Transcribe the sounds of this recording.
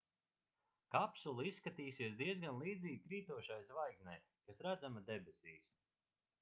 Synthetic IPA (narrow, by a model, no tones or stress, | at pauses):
kapsulˠiisːkat̪iːsiɛsd̪iɛzɡanlˠiːd̪ziːɡ̚kɾiːt̪uɔʃajsvajksnʲɛj | kasɾad̪zamad̪ebʲesiːs